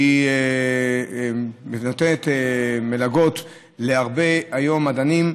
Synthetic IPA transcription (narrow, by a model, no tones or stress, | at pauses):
i | mit̪nat̪enet̪emelaɡo̞t̪ | leaʁbeajo̞mːad̪anim